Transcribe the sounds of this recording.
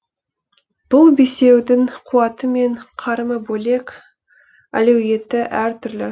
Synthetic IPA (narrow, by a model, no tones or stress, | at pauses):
b̥ʊlˠbese̞wd̪ɪŋqʰuwɑt̪əme̞ɴqʰɑɾməbole̞k | æ̰lewje̞t̪ɪʔæɾt̪ʰʏɾlɪ